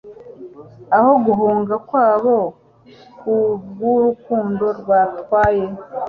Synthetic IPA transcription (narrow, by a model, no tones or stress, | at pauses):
aho̞ɡuɦuːŋɡakwaːβo̞ | kuɡuɾukuːndo̞ɾɡwaɾtwaːje